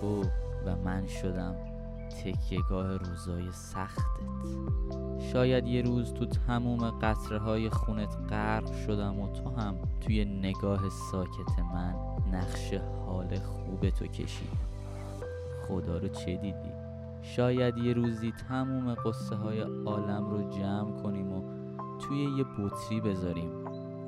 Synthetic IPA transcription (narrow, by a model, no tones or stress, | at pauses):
ovæmænʃod̪æm | t̪ʰe̞kʰje̞ɡɒːhe̞ɾuːzɒːje̞sæxt̪ʰet̪ʰ | ʃɒːjæd̪je̞ɾuːzt̪ʰut̪ʰæmuːme̞ɢæt̪ʰɾeɦɒːje̞xuːne̞t̪ʰɢæɾbʃo̞d̪æmot̪ʰoɦæmt̪ʰuje̞neɡɒːɦe̞sɒːcʰe̞t̪ʰe̞mænː | æχʃe̞hɒːle̞xuːbe̞t̪ʰo̞̰cʰe̞̰ʃḭːd̪æ̰m | χod̪ɒːɾot͡ʃʰe̞d̪iːd̪ḭ | ʃɒːjæd̪je̞ɾuːziːt̪ʰæmuːme̞ɢosːeɦɒːje̞ɒːlæmrod͡ʒæːmkʰo̞niːmo | t̪ʰuːje̞je̞bot̪ʰɾiːbe̞zɒːɾiːm